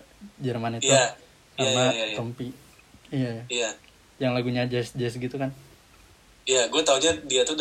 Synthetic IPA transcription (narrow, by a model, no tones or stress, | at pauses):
d͡ʒərmaniua | kanat̪əmpi | ijajaija | jaŋlaɡuɲad͡ʒɛsd͡ʒɛsɡit̪ukan | ijaɡuat̪auɲadiat̪ud